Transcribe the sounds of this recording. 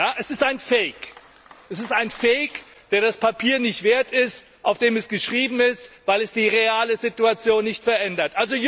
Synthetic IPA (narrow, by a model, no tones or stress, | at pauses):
jaːʔɛsɪstaɪnfɛɪk | ʔɛsɪstaɪnfɛɪk | d̥eːɐdaspʰapʰiːɐnɪçtv̥eːɐtɪst | ʔaʊfd̥eːmɛsɡ̥əʃʁ̥iːbm̩ɪstv̥aɪlɛsd̥iːʁeaːləzɪtuat͡sjoːnːɪçtfɛɐʔɛndɐtʔalzoj